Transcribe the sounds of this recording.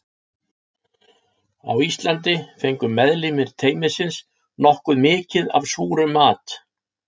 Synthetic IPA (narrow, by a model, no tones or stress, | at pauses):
a̰wist̪lant̪̬ɪfejŋkʏmːɛðlɪmɪɾt̪ʰeːjmɪsɪns | nɔhkʏðmɪːcɪða̰v̥suːɾʏmaːt̪